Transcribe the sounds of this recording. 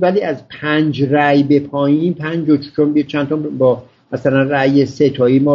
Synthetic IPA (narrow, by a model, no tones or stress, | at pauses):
væliːæzpʰænd͡ʒræjbe̞pʰɒːjiːmpʰænd͡ʒot͡ʃt͡ʃʰonbt͡ʃʰænt̪ʰɒbɒː | mæsælænræjeset̪ʰɒːiːmɒː